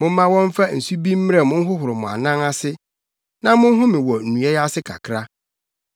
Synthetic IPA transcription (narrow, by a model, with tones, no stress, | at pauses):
mʊ̃˦m̩ː˦ã˦wɔ̃˦m̩˦fa˦˨n̩˨su˦bi˦m̩˦mɪ˦ɾɛ˨mʊ̃˦n̩˦ɦʊ˦ɦʊ˨ɾɪ˨mʊ̃˨a̰˨nã˦ŋa˦sɪ˦ | nã˦mʊ̃˦n˦ɦʊ̃˦mɪ̃˨wɔ˨n̩˨ũ˨ɛ˦jɛ˦a˦sɪ˦kʰa̰˨kʰɾa˦